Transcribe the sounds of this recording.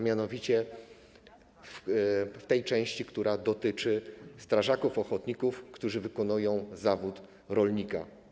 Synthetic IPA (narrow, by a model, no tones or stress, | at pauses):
mʲjanɔvʲit͡ɕɛ | ft̪ɛjt͡ʂɛ̃w̃ɕt͡ɕikt̪uɾad̪ɔt̪ɘt͡ʂɘst̪ɾaʐakufɔxɔt̪ɲikufkt̪uʐɘvɘkɔnujɔ̃w̃zavut̪ | ɾɔlɲika̰